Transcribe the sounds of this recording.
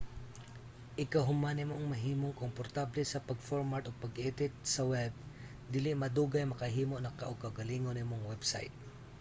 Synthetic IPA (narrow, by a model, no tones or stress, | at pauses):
ʔɪkɐɦʊmanɪmoʔɐŋmɐɦiːmoŋkompoɾt̪ablɛsɐpɐɡfoɹmaɹt̪opɐɡʔɛːt̪ɪt̪̚sɐwɛb̚ | d̪iːlɪʔmɐd̪uːɡɐjmɐkɐɦiːmo̞ʔnɐkɐʔokɐɡɐliːŋonɪmoŋwɛbsa̰jt̪̚